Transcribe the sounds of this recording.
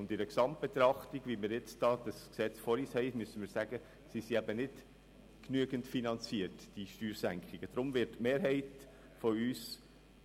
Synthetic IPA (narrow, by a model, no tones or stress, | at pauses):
ʊndɪdəksɑmt̚b̥et̪ɾɑχtiɡ̥ʋimɪɾjɛt͡sd̥ɑːd̥ɑsksɛt͡sfɔɾiːshɛɪmysənmɪːɾsæɡ̥ə | sisiæbənɪd̥ | knyəɡəntfinɑnt͡siətd̥iʃtyːɾsæŋkχɪɡ̥əd̥ɾʊmvɪɾtmeːɾɦɛɪt | fɔyːs